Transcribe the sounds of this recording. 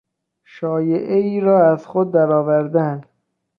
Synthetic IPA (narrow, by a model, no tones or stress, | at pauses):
ʃɒːjeʔeiːɾɒːæz̥xod̪̚ːæɾɒːvæɾd̪ænd̪̥